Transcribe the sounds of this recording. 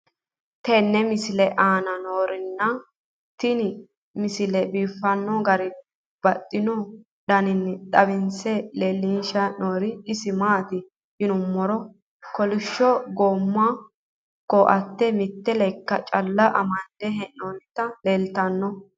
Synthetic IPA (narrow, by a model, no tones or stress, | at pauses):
t̪ɛnːɛmɪsɪlɛʔaːnɐnoːɾɪnːɐ | t̪ɪn | mɪsɪlɛbiːfːɐnːɔɡɐɾɪ | b̥ɐtʼːɪnɔ | ɗɐnɪnːᶑ̪ɐβɪnsɛleːlːinʃɐnoːɾɪɪsɪmaːt̪ɪ | ʔɪnʊmːɔɾɔ | kɔlɪʃːɔɡoːmːa | kːɔʔɐ̰t̪ːɛmɪt̪ːɛlɛkːɐt͡ʃʼɐlːɐʔɐ̰mɐd̪̥ɛɦɛnːont̪ːɐleːlt̪ɐnːɔ